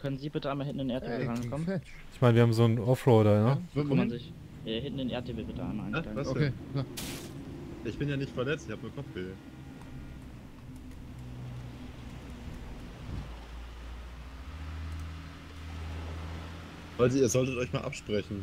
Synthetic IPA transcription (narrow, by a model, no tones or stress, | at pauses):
kʰœnənziːbɪtəʔaɪmahɪnʔnɪnʔeɐtɪb̩ʁaɪnkʰɔmn | ʔɪçmaɪnviːɐhaːmzoːnɔfʁɔːdaə̥kmanzɪç | aɦɪntn̩enʔeːɐt̚ʰɪbl̩bɪtəa̰ɪmaa̰ɪnŋḁaŋaeːa | ʔɪçb̥ɪnjaːnɪçtfɛɐlɛt͡stɪçhaːbəmiːɐkʰɔpp͡ffɡ̥e | valzoiːɐzɔltətɔʏçmaːlʔa̰pʃpʁ̥ɛçn̩